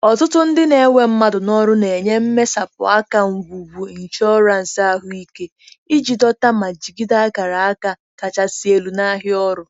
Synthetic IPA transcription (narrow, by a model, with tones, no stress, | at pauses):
ɔ˨tʊ˦tʊ˦n̩˦dɪ˦ne˨˦ŋʷe˨m̩˦ma˦dʊ˨nɔ˦ɾʊ˦ne˨ɲe˦m̩˦me˦sa˨pʊ̰˨a˦ka˨ŋ̩˨ɡʷu˨ɡu˨n̩˨t͡ʃɔ˦ɾa˨n̩˨sa˦ɦʊ˦i˦ke˦ | i˦d͡ʒi˨dɔ˦ta˦ma˨d͡ʒi˨ɡi˦da˦ɡa˨ɾa˨a˦ka˨ | ka˨t͡ʃa˨si˨e˨lu˨na˦ɦɪ˦ɔ˦ɾʊ˨